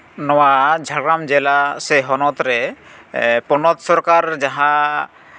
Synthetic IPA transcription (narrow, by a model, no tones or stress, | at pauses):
nɔwad͡ʒʱaɡɾamd͡ʒɛlasɛɦɔnɔt̪ɾɛ | pɔnɔt̪sɔɾkaɾd͡ʒaɦã